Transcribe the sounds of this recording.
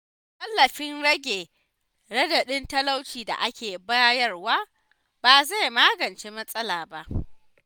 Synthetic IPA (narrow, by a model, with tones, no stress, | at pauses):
kʼɐ˦lːɐ˨ɸɪ˦nɽɐ˦ɡʲeː˨ | ɽɐ˦dɐ˨ɗɪ˦ntɐ˦la˦wt͡ʃiː˨da̰˨ʔa˦kʲʰeː˨ba˦jɐ˦rwaː˦ | b̥aː˨za˦jmaː˦ɡɐ˨nt͡ʃeː˦mɐ˦sʼɐ˦laː˨ba˦ʔ